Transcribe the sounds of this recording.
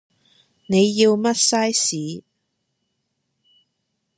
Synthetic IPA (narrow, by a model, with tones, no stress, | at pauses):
ne˨˧jːi˧wmɐ˥t̚sɐ˥jsiː˨˥